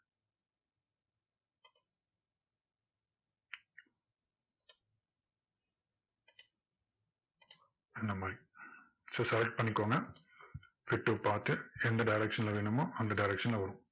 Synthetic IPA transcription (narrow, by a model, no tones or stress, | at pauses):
ind̪ɐmaːɾi | sɐsɐlɐk̚ʈ̚pɐɳːikʲːoːŋɡɐ | fiʈːupaːɾt̪ɨɛnd̪ɐɖɐɪɾɛkʂɐnlɐʋeɳɐmoːʔɐnd̪ɐɖɐɪɾɛkʂɐnlɐʋɐɾũm